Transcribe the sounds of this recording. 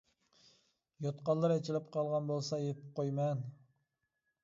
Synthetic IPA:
jot̪qɑlːˠɨɾɛt͡ʃʰilɪp̚qʰɑlˠʁɑnbolˠsɑjep̪ʰɪ̥p̚qʰojmɛn

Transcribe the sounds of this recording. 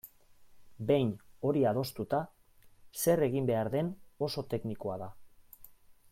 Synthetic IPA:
be̞jno̞ɾiaðo̞st̪ut̪a | se̞re̞ɣ̞imbe̞aɾðe̞no̞so̞t̪e̞kniko̞aða

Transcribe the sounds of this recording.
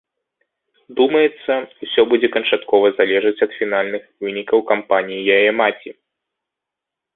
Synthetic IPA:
d̪umɐjɛt̪sːɐusʲɔbud͡zʲɛkɐnt͡ʂat̪kɔvɐzalʲɛʐɨt͡sʲɐt̪fʲinalʲnɨxvɨnʲikɐwkampanʲijijajɛmat͡sʲi

